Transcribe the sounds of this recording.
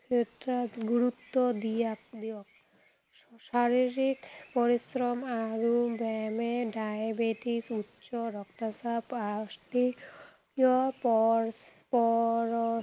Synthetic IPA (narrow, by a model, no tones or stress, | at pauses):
et̪ːɾatɡuɾut̪ːod̪ijak̚d̪iɔ | ʃaɾiɾikpɔɾisɾɔmaɾubɛmeɖajabeʈisutːʃoɾɔkt̪asapasʈi | ɔpɔ | pɔɾɔ